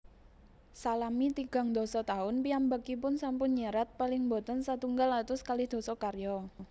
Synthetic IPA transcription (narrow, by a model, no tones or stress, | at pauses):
salamit̪iɡ̥a̤ŋd̪ɔ̤sɔt̪aʊnpiambəkipʊnsampʊnɲəɾat̪̚palɪŋbo̤t̪ənsat̪uŋɡalat̪ʊskalɪhd̪̥o̤sɔkarjɔ